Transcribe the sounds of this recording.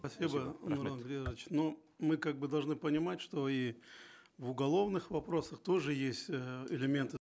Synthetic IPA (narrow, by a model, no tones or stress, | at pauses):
pɐsʲibənʊɾanɡɾʲet͡ɕno | mɨkaɡ̚bɨd̪ɐlˠʐnɨpənʲɪmatʲʂt̪o̞i | vʊɡɐlˠo̞vnɨxvɐpɾo̞səxt̪o̞ʐɨjesʲtʲəɪlʲɪmʲe̞nt̪ɨ